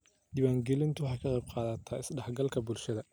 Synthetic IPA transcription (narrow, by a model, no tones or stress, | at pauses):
d̪ɪwaːŋɡɛlɪnt̪ʰʊwɑħɑjkʰɐqɛjb̚qɑːðɐt̪ʰaːɪsɖɑħɡɐlkʰɐbʊlʃɐðɐ